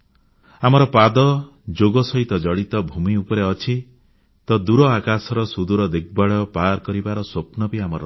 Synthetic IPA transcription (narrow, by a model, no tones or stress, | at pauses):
amɔɾɔpad̪ɔ | d͡ʒoɡɔsɔɦit̪ɔd͡ʒɔɽit̪ɔbʱumiupɔɾeɔt͡ʃʰi | t̪ɔd̪uɾɔakasɔɾɔsud̪uɾɔd̪eɡ̚baɭɔpaɾkɔɾibaɾɔswopnɔbiamɔɾɔ